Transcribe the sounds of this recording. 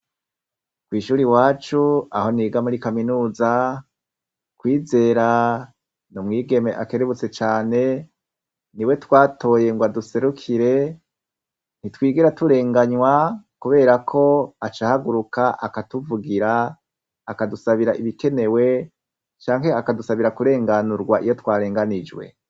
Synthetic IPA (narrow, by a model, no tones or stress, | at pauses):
kwiːʃuːɾiwaːt͡ʃua̰ho̞niːɡamuɾikaminuːza | kwiːze̞ːɾa | numŋiːɡe̞me̞ʔake̞ɾeβut͡se̞t͡ʃaːne̞ | niwe̞twaːtʰo̞ːje̞ŋɡwaduse̞ɾukʰiɾe̞ | n̥itwiːɡiɾatuɾe̞ːŋɡaɲwakuβe̞ːɾakʰo̞at͡ʃahaɡuɾukaʔakatuvuɡiɾaː | kadusaβiɾaʔiβike̞ne̞we̞ | t͡ʃaːŋɦe̞akadusaβiɾakuɾe̞ːŋɡanuɾɡwaʔijo̞twaːɾe̞ːŋɡanid͡ʒwe̞̰